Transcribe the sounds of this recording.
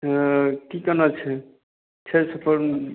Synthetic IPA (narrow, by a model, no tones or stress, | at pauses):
kikənət͡ʃʰɛ | t͡ʃʰɛsəpʰəɾ